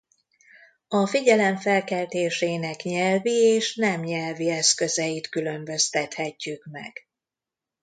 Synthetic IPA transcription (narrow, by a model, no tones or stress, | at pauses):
ɒfiɟɛlɛɱfɛlkɛlt̪eːʃeːnɛkɲɛlvieːʃnɛmɲɛlviɛskø̞zɛjit̪kylø̞mbø̞st̪ɛt̪hɛcːykmɛ̰ɡ̥